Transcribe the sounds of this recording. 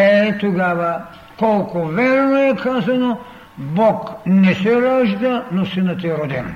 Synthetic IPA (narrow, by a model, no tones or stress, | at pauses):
ɛt̪uɡava | kɔlˠkuvɛɾnoɛkʰazano | bɔknɛsɛɾaʒd̪anɔsɛnat̪ɛɾɔd̪ɛn